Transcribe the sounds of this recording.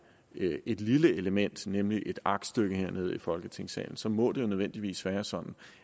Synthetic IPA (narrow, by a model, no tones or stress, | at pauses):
e̝d̥liləeləmen̰d̥nemliʔe̝d̥ɑ̈ɡ̥d̥sd̥øɡ̥əheɐ̰ne̝ːð̞ˠifɒ̽lɡ̥ət͡sʰe̝ŋ̰sɛ̰ːln̩sɒ̽mɔ̽d̥e̝jo̝nəøð̞ˠʋen̰d̥iʋḭːsʋæːɐsɒ̽d̥n̩